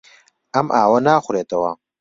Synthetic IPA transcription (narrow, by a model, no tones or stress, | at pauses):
ɐmʔaːwɐnaːxʷʊɾeːt̪ɐwɐ̰